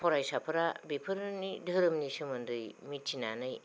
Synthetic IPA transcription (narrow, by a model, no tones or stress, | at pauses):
pʰɔɾajsapʰɐɾabepʰɯɾɯnidʱɯɾɯmnisɯmɯndɯjmit̚t͡ʃinanɯj